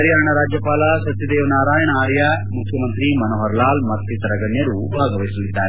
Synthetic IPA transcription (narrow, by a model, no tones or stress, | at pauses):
ɐɾijaːɳɐɾaːd͡ʒjɐpaːlɐsɐt̪jɐd̪eːʋɐnaːɾaːjɐɳɐaːɾjɐ | mukʰːjɐmɐnt̪ɾimɐnoːɦɐɾlaːlmɐɾt̪ʰːisɐɾɐɡɐnjɐɾubʱaːɡɐʋɐjsɐlːid̪ːaːɾe